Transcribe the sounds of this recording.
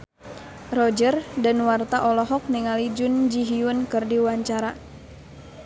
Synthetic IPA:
rɔd͡ʒərdanwart̪aʔɔlɔɦɔk̚niŋalid͡ʒʊnd͡ʒiɦiʊnkɨrdiwaɲt͡ʃaɾa

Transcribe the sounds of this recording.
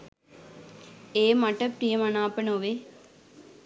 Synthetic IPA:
eːmɐʈəpɾijəmanaːpənoʋe

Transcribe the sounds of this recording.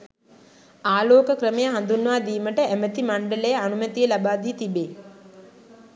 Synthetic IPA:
aːloːkəkɾəmejəɦand̪unʋaːd̪iːməʈəæmət̪imaɳɖələjəanumət̪ijəlabaːd̪iːt̪ibeː

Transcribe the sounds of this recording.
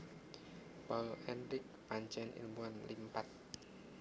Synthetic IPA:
pɔlɛnɾɪk̚paɲt͡ʃɛnʔḭlbuanlimpat̪̚

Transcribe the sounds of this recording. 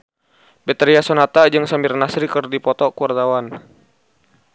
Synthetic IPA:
bɛt̪ɾiasɔnat̪ad͡ʒɨŋsambɪrnasɾikərdipɔt̪ɔkuward̪awan

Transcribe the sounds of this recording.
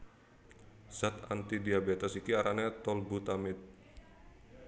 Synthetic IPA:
sat̪a̰nt̪idiabet̪asikiaɾʔanɛt̪ɔlbut̪amɪt̪̚

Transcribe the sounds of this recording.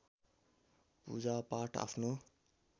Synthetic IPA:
pṵd͡zapaʈa̰pʰno

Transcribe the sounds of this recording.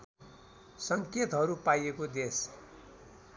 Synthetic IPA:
sʌŋket̪ɦʌɾupajekod̪es

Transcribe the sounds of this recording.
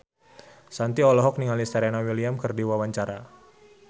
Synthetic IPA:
sant̪iɔlɔɦɔk̚niŋalist̪aɾenawiliamkərdiwawaɲt͡ʃaɾa

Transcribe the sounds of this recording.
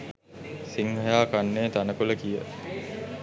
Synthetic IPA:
siŋɦɐjaːkanːeːt̪anəkuləkijə

